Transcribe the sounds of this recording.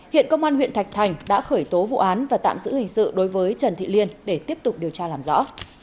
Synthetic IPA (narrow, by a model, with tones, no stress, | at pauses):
hḭ˧˨ənkə˧wŋ͡mʔaː˧nhw̰i˧˨nt̪ʰa˨˩jk̚t̪ʰa˨˩jŋ̟ɗa̰ː˧˥xəː˧˩jt̪o˨˦vṵ˧˨ʔaː˨˦nvaː˨˩t̪a̰ː˧˨mzɨ̰˧˥hï˨˩ŋ̟sɨ̰˧˨ɗo˨˦jvəː˨˦jt͡ɕə˨˩nt̪ʰḭ˧˨li˧ənɗe˧˩t̪i˦˥əp̚t̪ʊ˨˩k͡p̚ɗi˨˩əwt͡ɕaː˧laː˨˩mzɔ̰˧˥